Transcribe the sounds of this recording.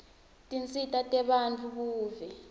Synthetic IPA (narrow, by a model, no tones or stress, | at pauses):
tʼint͡sʼitʼatʼɛɓant͡fʰukuːvɛ